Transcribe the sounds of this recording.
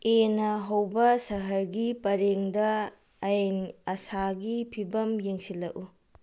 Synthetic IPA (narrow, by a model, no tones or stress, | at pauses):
enɐɦɐwbɐsɐɦɐɾɡipɐɾeŋdɐ | ɐjnɐsaɡipʰibɐmjeŋsilːɐʔu